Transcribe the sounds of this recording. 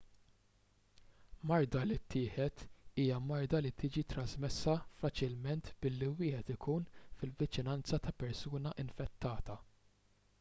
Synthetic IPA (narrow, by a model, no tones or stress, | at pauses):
mɐɾd̪ɐlit̪ʰːɪːħɛt̪iːjɐmɐɾd̪ɐlit̪ɪːd͡ʒit̪ɾɐzmɛsːɐfɐt͡ʃɪlmɛnt̪bɪlːiwɪːħɛt̪ɪkʰuːnfɪlvɪt͡ʃɪnɐnt͡sɐt̪ɐpɛɾsuːnɐʔɪnfɛt̪ʰːɐːt̪ɐ